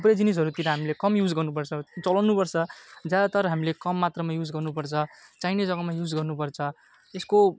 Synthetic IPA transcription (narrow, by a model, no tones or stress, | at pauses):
upɾed͡zinis̬ʌɾut̪iɾʌɦamilekʌmjud͡zɡʌrnupʌrt͡sʰʌt͡sʌlanupʌrt͡sʰʌd͡zjad̪at̪ʌɾʌɦamilekʌmːat̪rʌmajud͡zɡʌrnupʌrt͡sʰʌt͡sajnizʌɡʌmajud͡zɡʌrnupʌrt͡sʰʌ | esko